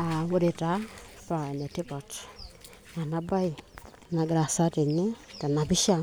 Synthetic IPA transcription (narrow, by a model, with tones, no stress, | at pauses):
a˨wo˦ɾe˨ta˨˦pa˨ɛ˨nɛ˨ti˦pɔ˨t | na˨na˨˦ba˦i˨ | na˨ɡɾa˨sa˦ti˨nɪ˦ta˨na˨bi˦ʃa˦